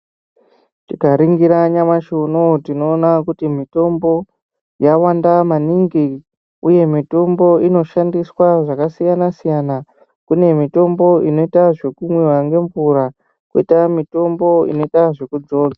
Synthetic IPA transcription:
tikaɾiŋɡiɾaɲamaʃunotino̞ːnakutimito̞mbo̞ | jawandamaniŋɡi | uje̞mito̞mbo̞ino̞ʃandiswaʐakasijanasijana | kune̞mito̞mbo̞ino̞itaʐe̞kumwiwaŋɡe̞ɱvuɾa | kuitamito̞mbo̞ḭno̞itaʐe̞kud͡zoːd͡za

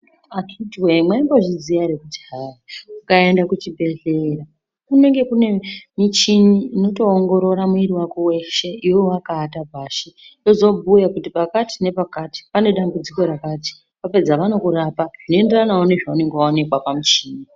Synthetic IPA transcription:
at͡ʃitiwemwaimboʐizijaɾekutiɦaukae̞ndakut͡ʃibʱe̞ɮera | kune̞ŋɡe̞kune̞mit͡ʃiniːno̞to̞ːŋɡo̞ɾo̞ɾamuiɾiwakowe̞ʃe̞iwo̞wakaːtabʱaːʃido̞zo̞bʱujakutipakati̥ne̞pakati̥pane̞ɗambud͡ziko̞ɾakaːti̥ | pape̞d͡zaʋano̞kuɾapaʐ̥inoe̞nderanaone̞ʐaune̞ŋɡeaone̞kwapamit͡ʃiːni

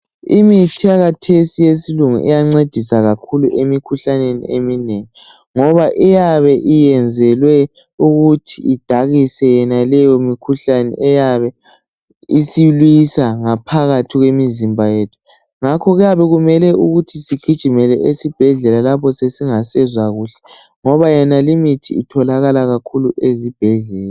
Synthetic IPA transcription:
imitʰiaɣatʰesijesiluŋṵʔɛ̰jaŋ͡ǀed̥ʱisaɣakʰuluʔemikʰuɬanenḭemineŋi | ŋɔβaʔijaβɛʔijɛnd͡zʱɛlwɛ | uɣutʰiid̥ʱaɣisɛjɛnalɛjomikʰuɬanɛ̰ʔɛjaβɛ | isilwisaŋapʰaɣatʰiɣwemizimbʱajeːtʰu̥ | ŋakʰɔɣjaβɛɣumɛlɛʔuɣutʰisiɡ̥ʱid̥ʒ̥ʱimɛlɛʔesib̥ʱɛɮɛlalapʰɔsesiŋasɛzwaɣuːɬɛ̥ | ŋɔβajɛnalimitʰiːtʰɔlaɣalaɣakʰuluʔezib̥ʱɛɮɛːla

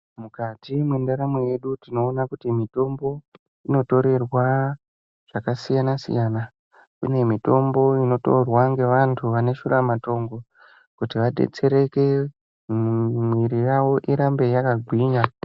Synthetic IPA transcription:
mukatimwendaɾamweje̞ɗutino̞ːnakutimito̞mbo̞ | ino̞to̞ɾe̞rwa | ʐ̥akasijanasḭjana | kṵne̞mito̞mbo̞ino̞to̰rwaŋɡe̞ʋantʰuʋane̞ʃuɾamato̞ŋɡo | kutiʋaɗe̞̰t͡se̞ɾe̞ke | mwiɾijaʋo̞ʔiɾambe̞jakaɡʱwiːɲa

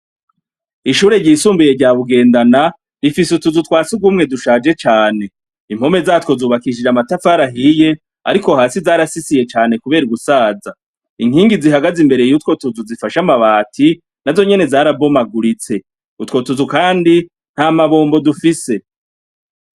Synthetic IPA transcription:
iʃuːɾe̞ɾɟiːsuːmbuje̞ɾɟaːβuɡe̞ːndana | ɾifisutuzutkwaːt͡suɡwumŋe̞duʃaːd͡ʒe̞t͡ʃaːne̞ | im̥ho̞me̞zaːtwo̞zuːβakiʃ̬id͡ʒamatafaɾaɦije̞ | a̰ɾiko̞haːsizaːɾasisije̞t͡ʃaːne̞kuβe̞ːɾuɡusaːza | iŋ̥hiːŋɡiziɦaɡazimbe̞ɾe̞jutkwo̞tuzuzifaʃamaβaːtʰi | nazo̞ɲe̞ne̞zaːɾabo̞maɡuɾit͡se̞ | utko̞tuzukaːndi | n̥haːmaβoːmbo̞dufise̞

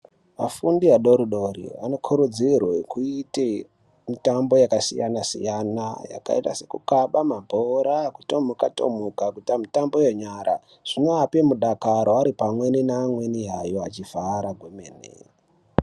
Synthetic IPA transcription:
ʋa̰fundiaɗo̞ɾuɗo̞ɾḭa̰no̞kʰuɾud͡zirwekuite | mitambo̞jakasijanasḭjanaja̰ka̰ita̰se̞kukaɓamabʱoɾaku̥tomukato̰mukakutamitambo̞joɲaɾʔa̰ | ʐ̥inoapemuɗakaɾoaɾipamwe̞ninaːmwe̞niɦajo̞a̰t͡ʃiv̥aɾaɡʱwemḛːnḛ

